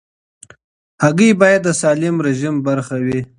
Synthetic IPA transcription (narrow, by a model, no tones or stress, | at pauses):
haɡibɑjad̪̚ːəsɑːlɪmɾɪʒimbaɾxawi